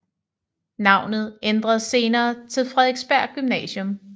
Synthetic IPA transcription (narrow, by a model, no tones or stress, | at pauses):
nɑ̈ʊ̰nð̞̩ˠend̥ʁɐð̞̩ˠse̝ːnɐːt͡sʰe̝lfʁɛðˠeɡ̥sb̥æɐ̰̥ɡ̥ymnɛ̰ːɕjɔm